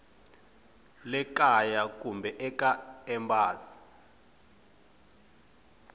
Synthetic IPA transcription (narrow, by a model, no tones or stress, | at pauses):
lɛkajak̬ʼumbʱɛʔɛkaɛmbaːsi̥